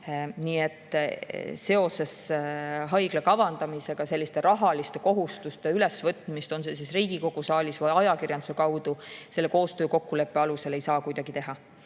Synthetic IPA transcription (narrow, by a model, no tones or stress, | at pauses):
niːe̞t̪ː | se̞o̞se̞s | ɦɑjɡ̥lekɑvɑnd̪̥ɑmise̞ɡ̥ɑse̞lːist̪e̞ɾɑɦɑlist̪e̞ko̞ɦust̪ust̪eylesvɤt̪ːˑmist̪o̞nseːsisriːɡ̥iko̞ɡ̥usɑːlʲisvɤjɑjɑkirjɑnd̪use̞kɑwd̪̥use̞lːeko̞ːst̪ø̞ːko̞kːule̞pːeɑluse̞le̞jsɑːkujd̪ɑɡ̥it̪e̞ɦɑ